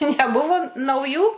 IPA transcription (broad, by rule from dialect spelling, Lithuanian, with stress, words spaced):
nʲɛˈbʊʋoː nɐʊˈjuː